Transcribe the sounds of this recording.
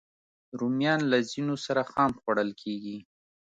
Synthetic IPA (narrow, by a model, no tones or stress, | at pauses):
ɾumjɑnlazinosaɾaxɑmxwaɽəlkʰeɡi